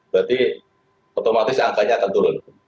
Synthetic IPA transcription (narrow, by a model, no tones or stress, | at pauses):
bɾat̪i | ot̪omat̪ɪsaŋkaɲaːkant̪uɾʊn